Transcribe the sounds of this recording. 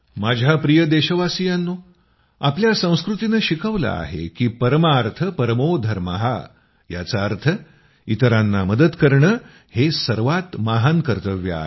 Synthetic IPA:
mad͡ʑʱapɾijəd̪eɕəʋasijanːoː | apljasə̃w̃skɾut̪inəɕikəʋla̰a̰ɦḛkiːpəɾəmaːɾt̪ʰəpəɾəmod̪ʱəɾma̰ɦa̰ | jat͡saːɾt̪ʰə | it̪əɾanːaməd̪əd̪kəɾɳə | hesəɾʋat̪maɦankəɾt̪əʋja̰

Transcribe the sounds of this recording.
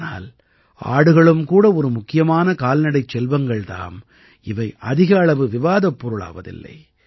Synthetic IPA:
na̰ːl | ʔa̰ːɽɯɣɐɭɯmkuːɽɐɔɾɯmʊkːɪjɐmaːnɐkaːlnɐɽɐɪt͡ʃːɛlʋɐŋɡɐɭt̪a̰ːm | ɪʋɐɪʔɐðɪɣɐːɭɐʋɯʋɪʋaːðɐpːɔɾɯɭa̰ːʋɐ̰ðɪ̰lːɐ̰ɪ

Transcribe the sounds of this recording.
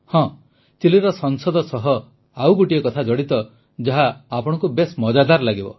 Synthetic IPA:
hɔ̃ | t͡ʃiliɾɔsɔŋsɔd̪ɔsɔɦɔ | awɡuʈiekɔt̪ʰad͡ʒɔɽit̪ɔ | d͡ʒaɦaːpɔɽ̃ɔ̃ŋkubesmɔd͡ʒad̪aɾlaɡibɔ̰

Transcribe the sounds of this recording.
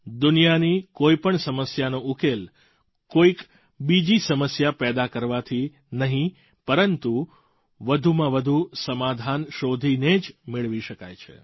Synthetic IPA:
d̪ʊnijanikoipəɳsəməsjanoukel | koik | bid͡ʒisəməsjapɛd̪akəɾʋat̪ʰi | nəɦĩ | pəɾənt̪u | ʋəd̪ʱumãʋəd̪ʱusəmad̪ʱanʃod̪ʱined͡ʒmɪɭʋiʃəka̰jt͡ʃʰḛ

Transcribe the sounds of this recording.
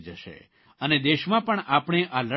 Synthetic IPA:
d͡ʒəʃḛ | əned̪eʃmãpəɳapɳ̃eʔalə

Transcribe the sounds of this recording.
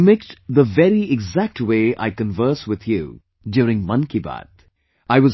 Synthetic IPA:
mɪkstðəvɛɾiɪɡzæk̚ʈweːʔa̰ɪkə̃nvəːswɪð̥jṵ | djʊːɾɪ̃ŋmʌ̃nkiba̰t̪ | aɪwʌz

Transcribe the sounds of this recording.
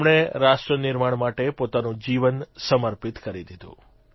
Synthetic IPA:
mɽ̃eɾaʃʈɾənɪɾmaɳmaʈepot̪anũd͡ʒiʋənsəməɾpit̪kəɾid̪id̪ʱṵ̃

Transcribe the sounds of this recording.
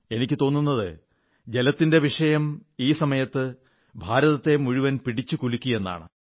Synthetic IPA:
e̞nikʲːɨt̪o̞ːnːunːɐðɨ | d͡ʑe̞lɐt̪ːinde̞ʋiʂɐjɐmiːsɐmɐjɐt̪ːɨ | bʱaːɾɐðɐt̪ːe̞muɻiʋɐnpiɽit͡ɕːukulikʲːuje̞nːa̰ːɳɨ̰

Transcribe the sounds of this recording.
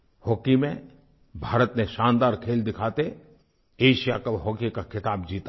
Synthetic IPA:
hɔːkimẽ | bʱaːɾət̪neʃãːnd̪aːɾkʰeːld̪ɪkʰaːt̪e | eːʃija̰kɐbɦɔːkikakʰɪt̪aːbd͡ʒiːt̪a

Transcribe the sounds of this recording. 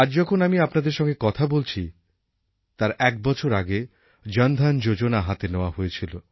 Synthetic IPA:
aɾd͡ʑɔkʰonamiapnad̪eɾʃɔŋɡekɔt̪ʰabolt͡ɕʰi | t̪aɾɛk̚bɔt͡ɕʰoɾaɡe | d͡ʑənd̪ʱand͡ʑod͡ʑonaɦat̪eneoaɦoet͡ɕʰilo

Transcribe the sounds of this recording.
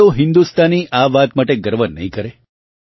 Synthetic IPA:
oɦɪnd̪ust̪aniʔaʋat̪maʈeɡəɾʋənːə̰ɦĩkəɾe

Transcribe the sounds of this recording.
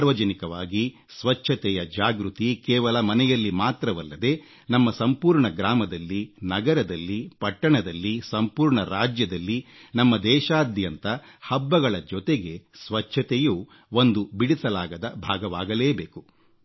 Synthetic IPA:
ɾʋɐd͡ʒɐnikɐʋaːɡi | sʋɐt͡ʃʰːɐt̪ɛjɐd͡ʒaːɡɾut̪ikɛːʋɐlɐmɐnɛjɐlːimaːt̪ɾɐʋɐlːɐd̪e̞ | nɐmːɐsɐmpuːɾɳɐɡɾaːmɐd̪ɐlːinɐɡɐɾɐd̪ɐlːipɐʈːɐɳɐd̪ɐlːisɐmpuːɾɳɐɾaːd͡ʒjɐd̪ɐlːinɐmːɐd̪ɛːʃaːd̪jɐnt̪ɐ | hɐbːɐɡɐɭɐd͡ʒɔt̪eɡe̞sʋɐt͡ʃʰɐt̪ɛjuː | o̞nd̪ubiɽisɐlaːɡɐd̪ɐbʱaːɡɐʋaːɡɐleːbeːku̥

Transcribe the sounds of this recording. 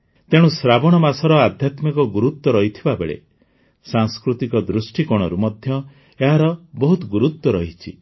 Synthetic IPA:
t̪eɽ̃ũsɾabɔɽ̃ɔmasɔɾɔad̪ʱjat̪mikɔɡuɾut̪ːwɔɾɔɦit̪ʰibabḛɭḛ | saŋskɾut̪ikɔd̪ɾusʈikɔɽ̃ɔɾumɔd̪ʱjɔ | eɦaɾɔbɔɦut̪ɔɡuɾut̪ːwɔɾɔɦit͡ʃʰḭ

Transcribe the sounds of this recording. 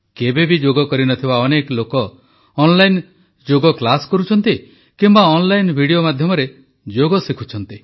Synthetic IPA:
kebebid͡ʒoɡɔkɔɾinɔt̪ʰibaɔneklokɔː | nlajn | d͡ʒoɡɔklaskɔɾut͡ʃʰɔnt̪i | kimbaɔnlajnbʱiɽiomad̪ʱjɔmɔɾe | d͡ʒoɡɔsikʰut͡ʃʰɔnt̪i

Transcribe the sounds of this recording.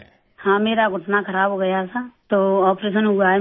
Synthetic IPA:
hãːmeːɾaɡʱʊʈnakʰəɾaːbɦoɡəjasat̪oːɔːpɾeːs̬ənɦʊɡaːe

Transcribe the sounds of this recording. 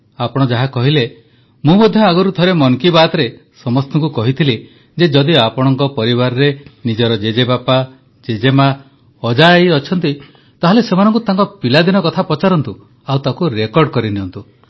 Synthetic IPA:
apɔɽ̃ɔd͡ʒaɦakɔɦile | mũmɔd̪ʱjɔaɡuɾut̪ʰɔɾemɔŋkibat̪ɔɾesɔmɔst̪ɔŋkukɔɦit̪ʰile | d͡ʒed͡ʒɔd̪iapɔɽ̃ɔŋkɔpɔɾibaɾɔɾenid͡ʒɔɾɔd͡ʒed͡ʒebapa | d͡ʒed͡ʒema | ɔd͡ʒaejɔt͡ʃʰɔnt̪i | t̪aɦɔlesemanɔŋkut̪aŋkɔpilad̪inɔkɔt̪ʰapɔt͡ʃaɾɔnt̪u | awt̪akuɾekɔɾɖɔkɔɾiniɔnt̪u

